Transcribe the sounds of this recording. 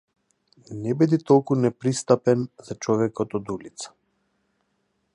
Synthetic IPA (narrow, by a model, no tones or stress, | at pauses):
nɛbid̪it̪ɔlˠkunɛpɾist̪apɛnzat͡ʃɔvɛkɔt̪ɔd̪ulit̪sḁ